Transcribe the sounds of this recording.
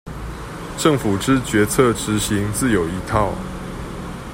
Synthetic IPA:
ʈ͡ʂə˥˨ŋfu˨˩ʈ͡ʂɻ̩˥˨t͡ɕɥɛ˨˦t͡sʰə˥˨ʈ͡ʂɻ̩˨˧˦ɕi˨˧˦ŋt͡sɹ̩˥˨jo˨˩ʊi˧˦t̪ʰɑ˥˨ʊ

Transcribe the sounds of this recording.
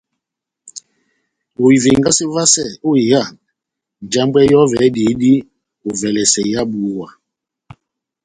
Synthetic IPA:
o˨i˨ve˨ŋɡa˦si˦va˦sɛ˦˨o˦i˨ja˦˨n˨ | n˨d͡ʒa˦mbwɛ˦jɔ˦vɛ˨˦di˨˦di˦ | o˨vɛ˨lɛ˨sɛ˨ja˦bu˨˦wa˨

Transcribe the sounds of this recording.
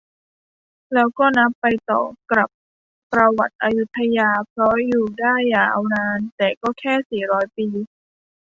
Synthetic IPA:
lɛː˦˥wkɔː˥˩na˦˥pːa˧jt̪ɔ̰ː˨˩kɾa˨˩p̚ː | ɾa˧wa˨˩t̪̚ʔa˧ju˦˥t̪ʰːa˧jaː˧pʰɾɔ˦˥juː˨˩daː˥˩aː˨˩ʔa˧wnaː˧˥nt̪ɛː˨˩kɔː˥˩kʰɛː˥˩siː˨˩ɾɔː˦˥jpiː˧

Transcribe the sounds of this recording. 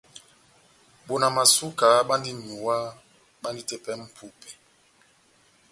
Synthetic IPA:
ɓo˨na˨ma˨su˦ka˨˦ɓa˦ndi˦ɲu˨wa˦ | ɓa˦ndi˦tɛ˦pɛ˦m̩˦pʰu˦pɛ˨

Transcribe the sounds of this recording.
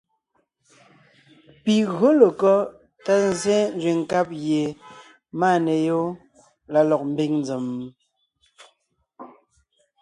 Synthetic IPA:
pi˨ɣo˦lə˨kɔ˦ | ta˦n˨zɛ˦n̩˦d͡zwe˨ŋ̩˨ka˦p̚ɣje˨ | maː˦˨ne˨jo˦ | la˨lɔ˨k̚m̩˦bi˦ŋn˦d͡zə˨m

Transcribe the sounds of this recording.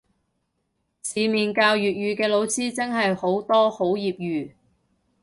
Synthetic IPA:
siː˨˧miː˨nkaː˧wjyː˨t̚jyː˨kɛː˧lo˨˧wsiː˥t͡sɐ˥ŋɦɐ˨jho˨˥wt̪ɔː˥ho˨˥wjiː˨p̚jyː˨

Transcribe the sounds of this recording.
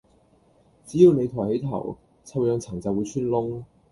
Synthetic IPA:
t͡siː˨˥jiː˨˧wne˨˧jt̪ʰɔː˨˩jhe˨˥jt̪ʰɐ̰˨˩w | t͡sʰɐ˧wjœː˨˧ŋt͡sʰɐ˨˩ŋt͡sɐ˨˧wuː˨˧jt͡ʃʰyː˥nlʊ˥ŋ

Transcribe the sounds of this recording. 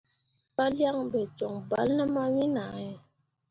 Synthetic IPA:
pa˦lja˦ŋbɛ˨t͡ʃɔ˨ŋba̰˦lnə˦ma˦wi˦na˨ɛ˨

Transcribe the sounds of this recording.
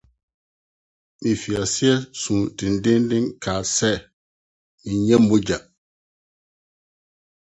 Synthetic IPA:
ɓi˨fi˨a˨si˦ɛ˦sũ˨ti˨ndĩ˦ndi˦ŋka˨sɛ˦˨ | i˨ɲɛ˦mːu˦d͡ʒa˨

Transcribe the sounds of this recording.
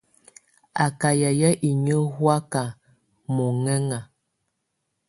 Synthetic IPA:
a˨ka˨ja˨ja˦ʔi˨ɲə˦hwa˦ka˨ | mɔ˨ŋɛ˦ŋa˨

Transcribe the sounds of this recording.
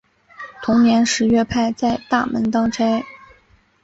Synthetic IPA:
t̪ʰʊ˧˥ŋnjɛ˧˥nʂɻ̩˧˥ɥɛ˥˧pʰa˥˧ɪt͡sa˥˧ɪt̪a˥˩mə̰˧˥nt̪ɑ˥ŋʈ͡ʂa˥ɪ

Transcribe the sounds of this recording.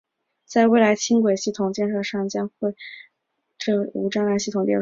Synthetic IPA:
t͡sa˥˧ɪwe˥˩ɪla˧˥ɪt͡ɕʰi˥ŋkwe˨˩ɪɕi˥˩t̪ʰʊ˨˩ŋt͡ɕjɛ˥˧nʂɤ˥˧ʂɑ˥˩ŋt͡ɕjɑ˥ŋxwe˥˧ɪ | ʈ͡ʂɤ˥˩u˧˥ʈ͡ʂa˥ŋla˥ɕi˥˩t̪ʰʊ˨˩ŋt̪jɛ˥˧˩

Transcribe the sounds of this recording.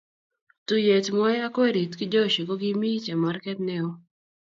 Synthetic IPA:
tu˨je˨tmɔ˦jɛ˦a˦ke˦ɾi˨tkɪ˦d͡ʒɔ˦˨ʃi˨ko˦ɡɪ˦mi˦t͡ʃa˨ma˨˦rkɛ˦tnɛ˦ɔ˦

